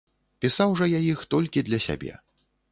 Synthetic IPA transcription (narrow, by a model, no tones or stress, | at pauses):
pʲisawʐɔjajixt̪ɔlʲkʲid̪lʲɐsʲa̰bʲɛ̰